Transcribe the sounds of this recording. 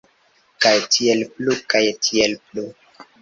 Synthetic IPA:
kajtʰielplukajtʰielp̚lu

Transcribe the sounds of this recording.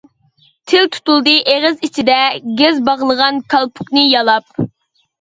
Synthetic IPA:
t̪ʰɪlt̪ʰu̥t̪ulˠd̪ɨʔeʁəzit͡ʃʰid̪ɛɡʲɛzbɑʁəlˠəʁɑnkʰɑlˠpʰu̥knɨjɑlˠɑp̚

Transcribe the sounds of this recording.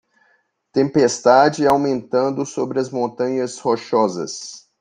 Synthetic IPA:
t̪ẽmpest̪ad͡ʒɪawmẽnt̪ɐ̃nd̪ʊsobɾɪɐzmõnt̪ɐ̃ɲɐshoʃɔzɐ̰s

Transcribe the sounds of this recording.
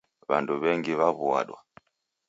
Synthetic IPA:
βanduβɛŋɡiβaβua̰ɗwa

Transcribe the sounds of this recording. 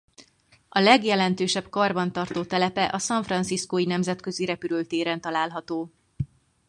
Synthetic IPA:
ʔɒlɛɡjɛlɛnt̪øːʃɛbkɒrbɒnt̪ɒrt̪oːt̪ɛlɛpɛʔɒsɒɱfrɒnsiskoːjinɛmzɛt̪kø̞ziɾɛpyɾølt̪eːɾɛnt̪ɒlaːlɦɒt̪oː

